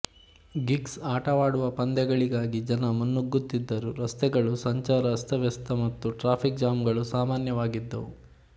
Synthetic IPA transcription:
ɡiksaːʈɐʋaːɽuʋɐpɐnd̪ɛɡɐɭiɡaːɡid͡ʒɐnɐmunːuɡːut̪ːid̪ːɐɾuɾɐst̪ɛɡɐɭusɐɲt͡ʃaːɾɐːst̪ʰɐʋjɐst̪ɐmɐt̪ːuʈɾaːpʰik̚d͡ʒaːmɡɐɭusaːmaːnjɐʋaːɡid̪ːɐ̰ʋu

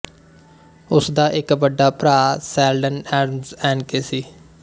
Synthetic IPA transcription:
ʊsd̪aːʔɪkbəɖːaːpɾaːsɛːlɖənɛːɾəmzɛːnkeːsiː

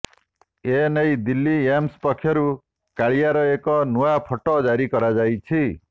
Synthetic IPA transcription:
enejd̪ilːijamspɔkʰːjɔɾu | kaɭijaɾɔekɔnuapʰɔʈɔd͡ʒaɾikɔɾad͡ʒajt͡ʃʰi

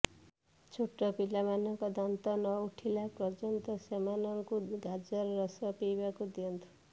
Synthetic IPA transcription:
t͡ʃʰuʈːɔpilamanɔŋkɔd̪ant̪ɔnɔuʈʰilapɾɔd͡ʒɔnt̪ɔsemanɔŋkuɡʱad͡ʒɔɾɔɾɔsɔpijbakud̪iɔnt̪ʰu̥

